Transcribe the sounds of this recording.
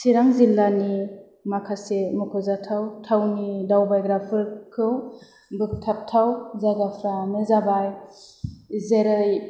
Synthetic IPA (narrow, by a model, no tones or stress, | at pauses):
siɾaŋzilːani | makʰasemɯkʰɯzatʰawtʰawnidawbajɡɾapʰɯɾkʰɯw | bɯk̚tʰap̚tʰawzaɡapʰɾamɯzabaj | zeɾɯj